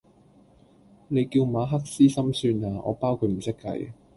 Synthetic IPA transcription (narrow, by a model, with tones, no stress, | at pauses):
ne˨˧jkiː˧wmaː˨˧ɦɐ˥k̚siː˥sɐ˥msyː˧naː˨˧ɔ̰ː˨˧paː˥wkʰu˧t̚m̩˨˩sɪ˥kːɐ̰˧j